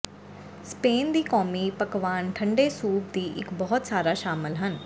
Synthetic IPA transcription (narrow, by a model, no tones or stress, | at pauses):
speːnd̪iːkɔːmiːpəkʋaːnʈʰə̃ɳɖeːsuːp̚d̪iːʔɪ̰kbɔːt̪saːɾaːʃaːməlɦən